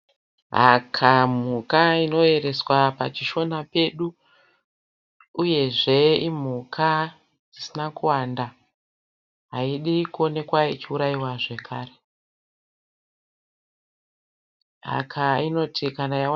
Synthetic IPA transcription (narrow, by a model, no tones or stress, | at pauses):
ɦa̰kʰam̤ukaino̞e̞ɾe̞swapat͡ʃiʃo̞nape̞ɗu | je̞ʐe̞im̤ukʰa | d͡zisinakuwanda | ɦaiɗikuo̞ne̞kwait͡ʃiuɾaiwaʐe̞kʰaːɾe | ɦa̰kʰaino̞tʰikanaja